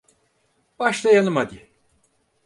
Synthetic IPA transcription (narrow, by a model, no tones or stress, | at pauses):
b̥aʃlˠajanɯmad̪i